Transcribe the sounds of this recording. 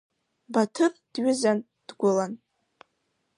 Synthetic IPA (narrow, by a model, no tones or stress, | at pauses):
batʰɨpʼd̥ɥʏzan | d̥ɡʷʊlan